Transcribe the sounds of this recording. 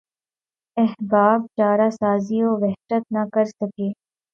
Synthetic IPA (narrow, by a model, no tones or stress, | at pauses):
ɛɦbaːb̚t͡ʃaːɾaːsaːzioʋɛɦʃət̪̚nɐkɐɾsɐkeː